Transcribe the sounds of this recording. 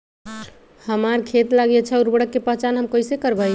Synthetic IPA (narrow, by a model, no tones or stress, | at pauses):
həmaɾkʰet̪laɡjɛt͡ʃʰɛuɾbəɽəkːepəɦt͡ʃanɦəmkəisekəɾbaj